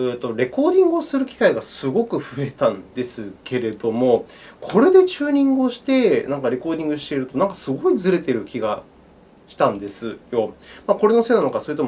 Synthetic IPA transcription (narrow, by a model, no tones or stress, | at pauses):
et̪ːo̞ɾe̞ko̞ːd̪ʲĩŋɡɯ̟osɨɾɯ̟kʲi̥kaiɡasɨɡo̞kɯ̟ɸɯ̟e̞t̪ãnd̪e̞sɨke̞ɾe̞d̪o̞mo̞ | kʰo̞ɾe̞d̪e̞t͡ɕɨːɲ̟ĩŋɡɯo̞ɕi̥t̪e̞nãŋkaɾe̞ko̞ːd̪ʲĩŋɡɯ̟ɕi̥t̪e̞iɾɯ̟t̪o̞nãŋkḁsɨɡo̞id͡zɨɾe̞t̪e̞ɾɯ̟kʲiɡa | ɕi̥t̪ãnd̪e̞sɨjo̞mako̞ɾe̞no̞se̞nanokasoːiɯ̟t̪om